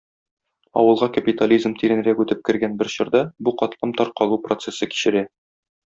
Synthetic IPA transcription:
ɒ̰wɤ̆lˠʁɑkɐpʲit̪alʲizmt̪iɾɘ̆nɘ̆ɾækʉt̪ɘp̚kɘ̆ɾɡænbɘɾɕŏɾd̪ɑbuqɒt̪lˠɤmt̪ɒɾqɒlˠuprot̪sesɤki̥ɕɘ̆ɾæ

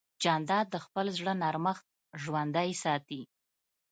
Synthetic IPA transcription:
d͡ʒɑnd̪ɑd̪ːəxpəlzɽənɑɾməxt̪̚ | ʒwand̪ajsɑt̪i

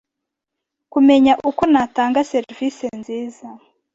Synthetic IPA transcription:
kume̞ɲaʔukonataːŋɡaseɾvisenziːza

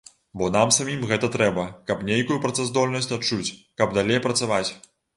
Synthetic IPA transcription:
bɔnamsamʲimɣɛt̪ɐt̪ɾɛbɐkɐpnʲejkujupɾɐt̪sɛzd̪ɔlʲnɐsʲt͡sʲatt͡ʂut͡sʲkɐb̚d̪alʲejpɾɐt̪savat͡sʲ

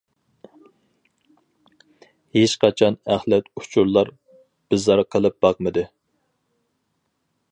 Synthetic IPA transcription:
het͡ʃqɑt͡ʃʰɑnæχlɛt̪u̥t͡ʃʰuɾlˠɑɾ | b̥ɪzɑɾqʰəlˠɨp̚b̥ɑqmɨd̪ɨ

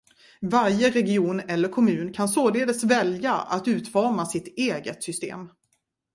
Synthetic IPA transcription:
vaɾjəɾɛɡɪuːnɛlːəɾkʰɔmʉ̟ːnkʰansoːd̪eːd̪əsvɛljaa̰t̪ʉ̟ːt̪vɑɾmasɪt̪eːɡət̪sʏst̪ḛːm

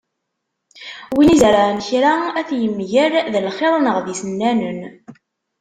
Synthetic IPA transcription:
winizɾançɾaæθjəmːʝəɾðəlχeðˤənəʁðisənːænən

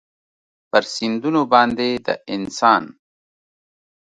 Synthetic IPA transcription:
pəɾsind̪unobɑːnd̪ed̪ə̰ʔɪnsɑːn

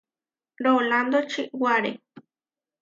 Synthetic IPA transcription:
ɾoland̪ot͡ʃiʔwaɾe

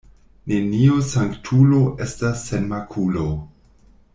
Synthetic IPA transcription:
ne̞niosaŋktʰulo̞ʔestasːenmakʰulo

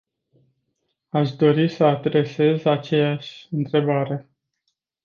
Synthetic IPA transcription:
aʃd̪o̞ɾisəad̪ɾe̞se̞zat͡ʃe̞jaʃʲɨnt̪ɾe̞baɾe̞

